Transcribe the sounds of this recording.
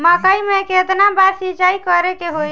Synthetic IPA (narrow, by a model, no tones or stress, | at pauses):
makaimnɛkeəd̪nabaɾsid͡ʒaikəɾekeɦoj